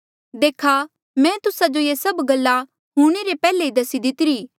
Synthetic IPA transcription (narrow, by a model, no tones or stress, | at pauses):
d̪eːkʰa | mɛ̃ːt̪ʊsad͡ʒojesɐbɡɐlːa | ɦuːɽ̃eɾepɛːleid̪ɐsid̪ɪt̪ɪɾiː